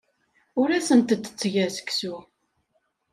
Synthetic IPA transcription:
ʊɾæsənt̪ət̪ːə̥t͡sːʝæsə̥ksu

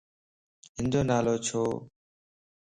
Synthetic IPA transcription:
ɦɪnd͡ʒoːnaːloːt͡ʃʰoː

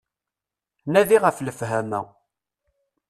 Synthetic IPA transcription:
næðiʁəfləfɦæmæ̰

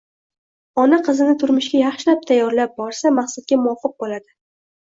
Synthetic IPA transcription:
ɒnaqʰɨzɪnɪt̪ʰʊɾmʊʃɡʲajɑχʃɪlap̚t̪ʰajːɒɾlap̚bɒɾsamaχsat̪̚ɡʲamʊɒfɨq̚bolad̪ɪ

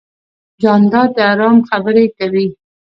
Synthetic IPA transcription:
d͡ʒɑnd̪ɑd̪əaɾɑmxabəɾekawi

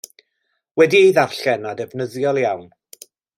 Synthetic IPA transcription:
wɛdiejðarɬɛnadɛvnəðjɔlˠjawn

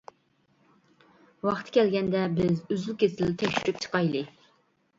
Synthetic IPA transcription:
wɑχt̪ʰɨ̥kʲʰɛlɡʲɛnd̪ɛbɪzyzylkʲesɪlɪt̪ʰɛkʲʃyɾyp̚t͡ʃʰə̥qɑjlˠɨ

